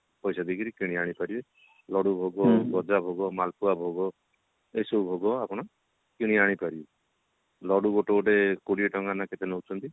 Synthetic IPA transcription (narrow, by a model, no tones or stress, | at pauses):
pɔjsad̪ikʰiɾikiɽ̃iaɽ̃ipaɾibe | lɔɽubʱoɡɔɡɔd͡ʒabʱoɡɔmalpuabʱoɡɔ | esoubʱoɡɔapɔɽ̃a | kiɽ̃iaɽ̃ipaɾibe | lɔɽuɡoʈoʈekuɽiɔʈɔŋanaket̪enowt͡ʃʰɔnt̪i